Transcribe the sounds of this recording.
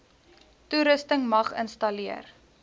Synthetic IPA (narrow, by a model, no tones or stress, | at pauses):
tuɾəstəŋmɐχə̰nstɐliə̰r